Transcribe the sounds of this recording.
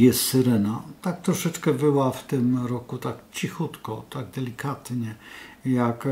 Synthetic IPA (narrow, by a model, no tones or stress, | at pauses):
jɛst̪sɛɾɛnat̪ak̚t̪ɾɔʂɛt͡ʂkɛbɘwaft̪ɘmɾɔkut̪akt͡ɕixut̪kɔt̪aɡd̪ɛlʲikat̪ɲɛjak